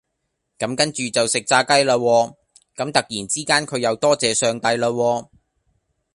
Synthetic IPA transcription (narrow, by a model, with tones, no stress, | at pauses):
kɐ˨˥mkɐ˥nt͡ʃyː˨t͡sɐ˨wsɪ˨k̚t͡saː˧kɐ˥jlaː˧wɔː˧ | kɐ˨˥mt̪ɐ˨k̚jiː˨˩nt͡siː˥kaː˥nkʰɵ˨˧ɥjɐ˨˧wt̪ɔː˥t͡sɛː˨˧sœː˨˧ŋt̪ɐ˧jlaː˧wɔː˧